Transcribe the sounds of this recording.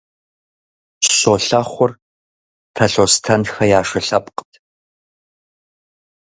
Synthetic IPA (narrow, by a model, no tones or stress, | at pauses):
ɕoːɬɐχʷʊr | tʰɐɬostʰɐnxɐjaːʂɐɬɐpʼqətʰ